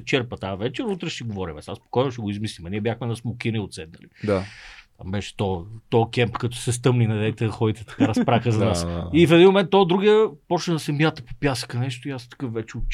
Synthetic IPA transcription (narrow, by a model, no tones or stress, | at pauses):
t͡ʃɛɾpət̪avɛt͡ʃɛɾut̪ɾɛʃɛɡovɔɾimɛsaspo̥kɔjnʊʃɛɡoizmislimɐniɛbʲjaxmɛnɐsmʊkʲiniot̪sɛd̪nɐ̰lid̪at̪ambɛʃɛ̥t̪ɔt̪ɔkɛmpkɐt̪o̥sɛs̬t̪ɤmninɐd̪ɛt̪ɛxɔit̪ɛt̪ɐ̥aɾɐspɾaxəzɐnasifɛd̪inmomɛnt̪ːɔd̪ɾuɡiəpɔt͡ʃnɛnɐsɛmjat̪əpopjasə̥kənɛʃt̪oiast̪ɐ̥kɤfvɛt͡ʃɛʊ